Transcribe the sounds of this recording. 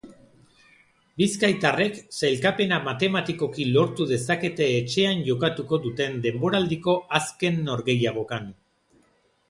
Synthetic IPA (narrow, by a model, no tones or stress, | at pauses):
biskajt̪are̞kselkape̞namat̪e̞mat̪iko̞kilo̞ɾt̪uðe̞sake̞t̪e̞ːt͡ʃe̞anʝo̞kat̪uko̞ðut̪e̞nd̪e̞mbo̞ɾald̪iko̞aske̞nːo̞ɾɣe̞jaɣ̞o̞kan